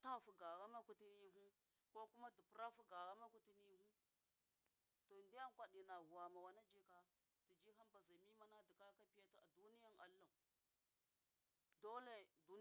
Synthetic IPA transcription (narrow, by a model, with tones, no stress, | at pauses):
ta˦fu˨ɡa˨ɣa˦ma˦ku˦ti˦ni˦ɦu˦ | ko˦ku˦ma˦di˨pɾa˦fu˦ɡa˨ɣa˦ma˦ku˦ti˦ni˦ɦu˦ | to˨ndi˦ja˦ŋkʷa˨ɗi˨na˨ɣu˨wa˨ma˨wa˨na˦d͡ʒi˦ka˦ | d̥i˨d͡ʒi˦ɦa˦mba˨za˨mi˦ma˦na˦di˨ka˦ka˦pi˦ja˦ti˦a̰˨du˦ni˦ja˦ŋa̰˨lːa˨ | do˦le˦˨du˦